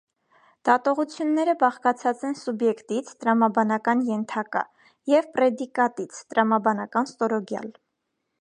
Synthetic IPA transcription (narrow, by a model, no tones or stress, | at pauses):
d̪̥ɑt̪ɔʁut͡sʰjunːɛɾəbɑχkɑt͡sʰɑt͡sɛnsubjɛkt̪it͡sʰt̪əɾɑmɑbɑnɑkɑnjɛnt̪ʰɑkɑ̰ | jɛvpɾɛd̪ikɑt̪it͡sʰt̪əɾɑmɑbɑnɑkɑnst̪ɔɾɔɡjɑ̰l